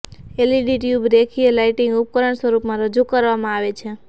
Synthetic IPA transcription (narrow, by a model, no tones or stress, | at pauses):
eliɖiʈjubɾekʰielaiʈĩŋɡup̚kəɾəɳsʋəɾupmãɾəd͡ʒukəɾʋamãaʋet͡ʃʰe